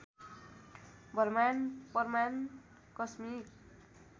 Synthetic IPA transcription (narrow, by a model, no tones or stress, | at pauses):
bʱʌrmanpʌrman | kʌsmik